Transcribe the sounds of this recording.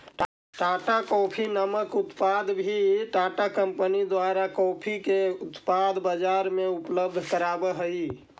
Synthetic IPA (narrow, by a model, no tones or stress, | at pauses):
ʈaʈakɔpʰinəməkut̪pad̪bʱiʈaʈakəmpənid̪waɾakɔpʰikeut̪pad̪bəd͡ʒaɾmeupləb̚d̪ʱkəɾabəɦəi